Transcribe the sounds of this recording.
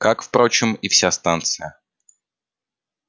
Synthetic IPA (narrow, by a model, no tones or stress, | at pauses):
kakfpɾo̞t͡ɕɪmifsʲast̪ant̪sɨjə